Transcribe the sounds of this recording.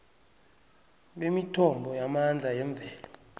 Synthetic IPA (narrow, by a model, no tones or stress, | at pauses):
ɓemitʰɔmbʱɔjamand͡ɮʱajɛɱb̪vʱɛːlɔ